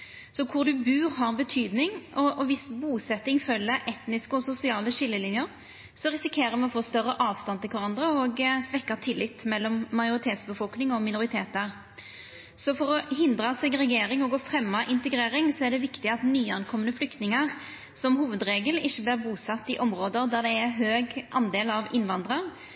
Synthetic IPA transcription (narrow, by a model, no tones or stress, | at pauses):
sɔkʰʊʁd̪ʉbʉːʁɦɑʁbət̪ʰyːd̪nɪŋɔɔʋɪsbuːsɛt̪ːɪŋfœlːəɾʔɛt̪nɪskəɔsʊsɪɑːləʂɪlːəlɪnjəɾ | sɔʁɪsɪkʰeːɾəmɛɔfoːst̪œrːəʔɑːʋst̪ɑnt̪ʰɪlkʰʋɑʁɑnd̪ʁəɔɡsʋɛkːɑt̪ʰɪlːɪt̪ːmɛlːɔmːɑjʊʁɪt̪ʰeːt̪sbəfɔlknɪŋɔmɪnʊʁɪt̪ʰeːt̪əʁ | sɔfɔɾɔɦɪnd̪ɾɑsɛɡɾɛjeːɾɪŋɔɡoːfɾɛmːɑʔɪnt̪əɡɾeːɾɪŋsɔæʁɖɛʋɪkt̪ɪɑt̪nyːɑnkʰɔmːənəflʏkt̪nɪŋəʁ | sɔmhuːʋəd̪ɾeːɡəlɪçːəblɪːʁbuːsɑt̪ːɪʔɔmɾoːd̪əɾd̪æʁd̪ɛːɦøːɡʔɑ̰nd̪eːlɑʋɪnʋɑnd̪ɾɑʁ